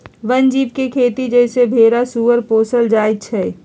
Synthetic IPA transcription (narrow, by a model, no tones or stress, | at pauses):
ʋənd͡ʒiːp̚kekʰeːt̪id͡ʒɛːsebʱeːɾasuʋəɾpoːsəld͡ʒaːt͡ʃʰɛː